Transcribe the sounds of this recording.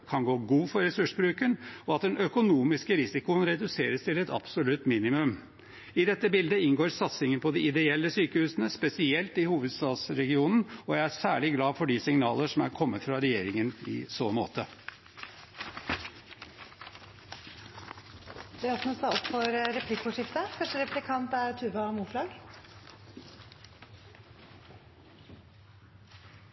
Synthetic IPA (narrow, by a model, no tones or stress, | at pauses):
kʰɑnɡoːɡuːfɔɾɛsʉʂbɾʉːkənɔɑt̪̚d̪ɛnʔœkʊnuːmɪskəɾɪsɪkʊənɾɛd̪ʉseːɾəst̪ʰɪlɛt̪ɑ̰b̥sʊlʉt̪ːmiːnɪmʉm | ɪd̪ɛt̪ːəbɪld̪əɪnɡoːɾsɑt̪sɪŋənpʰɔd̪ɪɪd̪ɛɛlːəsyːkəhʉːsənəspɛsɪɛlt̪ɪhuːʋəd̪st̪ɑːd̪sɾɛɡɪuːnn̩ɔjæɪæsæːɭɪɡlɑːfɔɖɪsɪŋnɑːləʂɔmæɾkʰɔmːət̪fɾɑɾɛjeːɾɪŋənɪ̰soːmo̰ːt̪ə | d̪ɛæɾɔsnɔsɑɔpːfɔɾɾɛpʰlɪkːʊʂɪft̪əkʰɑnʂəɾɛplɪkʰɑnt̪æɾt̪ʰʉːʋɑmuːfɾɑːɡ